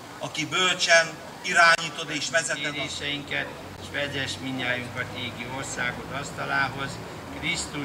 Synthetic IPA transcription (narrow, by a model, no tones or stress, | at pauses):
ɒkibølt͡ʃɛn | iɾaːɲiːt̪o̞d̪eːʃʋɛzɛeɛɾeːʃɛjiŋkɛt̪ | ʃʋɛɟɛʃmiɲːaːjyŋkʋɒɟeːɡio̞rsaːɡo̞t̪ɒst̪ɒlaːɦo̞z | krist̪u